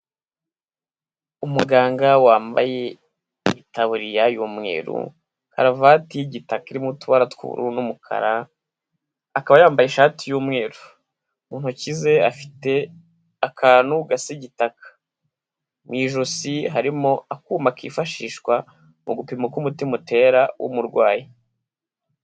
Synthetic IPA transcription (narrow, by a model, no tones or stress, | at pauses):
umuɡaːŋɡawaːmba̰je̞ | itaβuɾijajuːmŋe̞̰ːɾṵ | ka̰ɾavatijiɟitakaiɾimutuβaɾatkṵβṵɾṵnumukʰa̰ɾa | akaβajaːmbajeʃaːtijuːmŋe̞ːɾu | muːn̥hucize̞afi̥te̞ | akʰaːnuɡasiɟitakʰḁ | mŋiːʒusiɦaɾimo̞akuːmakḭːfaʃiːʃkwa | muɡupimukumutimute̞ɾawʔṵmuɾɡwaːji